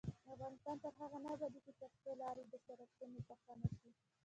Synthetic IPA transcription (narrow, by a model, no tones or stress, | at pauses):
d̪afɣɑnɪst̪ɑnt̪əɾɦaɣanabad̪ikit̪əɾpelɑɾed̪əsaɾakt̪ənepaxt̪anaʃi